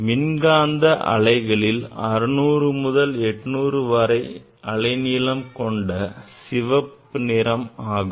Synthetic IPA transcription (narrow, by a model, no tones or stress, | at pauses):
mɪnɡaːnd̪ɐʔɐ̰ɭɐɪɣɐɭɪlɐɾɯnuːɾɯmʊðɐlɛʈːnuːɾɯʋɐɾɐɪ | ɐɭɐɪnɪːlɐmkɔɳɖɐsɪʋɐpː | ɯnɪɾɐmaːɣɯm